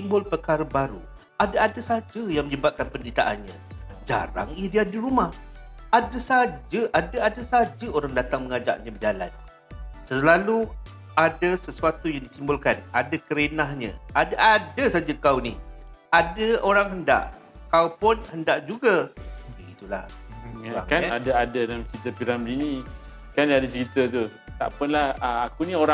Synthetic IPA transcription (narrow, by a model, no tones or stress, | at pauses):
t̪imbʊlpəkaɾəbaɾṵ | adaadasad͡ʒəjaŋməɲəbat̪̚kanpəndɾit̪a̰ʔa̰nɲə̃ | d͡ʒa̰ɾa̰ŋiədiadiɾumah | adəsad͡ʒəʔadaadasad͡ʒəoɾaŋdat̪aŋməŋad͡ʒa̰ʔɲəbəd͡ʒala̰n | səlalu | adəsəsuat̪ujaŋdit̪imbʊlkanadakəɾenaɦɲə̰̃adaʔadasad͡ʒakawniadəoɾaŋɦənda̰ʔ | kaupʊnhəndaʔd͡ʒuɡabəɡit̪ula̰hŋaa̰kanadaadadalamt͡ʃəɾit̪əpiɾamdini | kanadat͡ʃəɾit̪ət̪u | t̪a̰ʔpənlahəakunĩoɾa